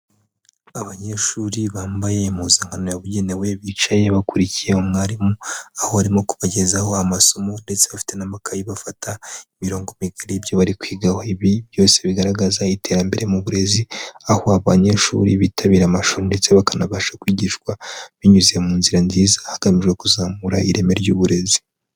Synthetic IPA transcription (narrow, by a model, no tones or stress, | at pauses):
aβaɲe̞ʃuːɾiβaːmbajemuzeŋ̥hano̞jaβuɟe̞newe̞βiːt͡ʃaje̞βakuɾicijehomŋaːɾimoaho̞aɾimo̞ku̥βaɟe̞zaho̞amaso̞mo̞nde̞t͡se̞βafi̥te̞namakʰajiβafatʰaimiɾo̞ːŋɡo̞miɡaɾibjo̞βaɾikwiːɡahoiβiβjo̞ːse̞βiɡaɾaɡazaitʰe̞ɾambe̞ɾe̞muβuɾe̞ziahoaβaɲe̞ʃṵɾiβitʰaβiːɾamaʃuɾunde̞t͡se̞βakanaβaʃakwiːɟiʃkwaβiɲuziemuːnziɾanziːzahaɡ̥amiʒɡwe̞kuzaːmuɾa̰iɾe̞me̞ɾɟuːβuɾe̞zi